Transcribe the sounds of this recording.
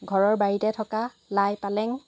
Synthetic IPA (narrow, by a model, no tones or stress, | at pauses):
ɡʱɔɹɔɹbaɹitɛtʰɔka | lajpalɛŋ